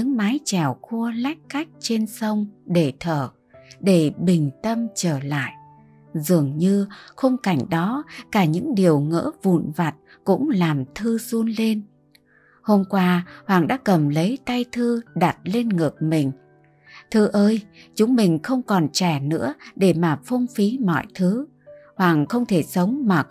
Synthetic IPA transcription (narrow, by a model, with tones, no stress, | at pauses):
ɲɨ̰˧˥ŋmaː˨˦jt͡ɕɛ˧˩wxu˧əla˦˥jk̟̚ka˦˥jk̟̚t͡ɕe˧nsə˧wŋ͡mɗe˧˩t̪ʰəː˧˩ | ɗe˧˩ɓï˨˩ŋ̟t̪ə˧mt͡ɕəː˧˩la̰ː˧˨jʔ | zɨ˨˩əŋɲɨ˧xə˧ŋ͡mka˧˩jŋ̟ɗɔ˨˦kaː˧˩ɲɨ̰˧˥ŋɗi˨˩əwŋə̰ː˧˥vṵ˧˨nva˨˩t̚ | kʊ̰˧˥ŋ͡mlaː˨˩mt̪ʰɨ˧zu˧ənle˧n | ho˧mkwaː˧hwaː˨˩ŋɗa̰ː˧˥kə˨˩mlə˨˦jt̪a˧jt̪ʰɨ˧ɗa˨˩t̚le˧nŋɨ˨˩ək̚mï˨˩ŋ̟ | t̪ʰɨ˧ʔəː˧jt͡ɕʊ˨˦ŋ͡mmï˨˩ŋ̟xə˧wŋ͡mkɔ˨˩nt͡ɕɛ˧˩nɨ̰˧˥əɗe˧˩maː˨˩fɔ˧wŋ͡mfi˨˦mɔ̰˧˨jt̪ʰɨ˨˦ | hwaː˨˩ŋxə˧wŋ͡mt̪ʰe˧˩sə˨˦wŋ͡mmaː˨˩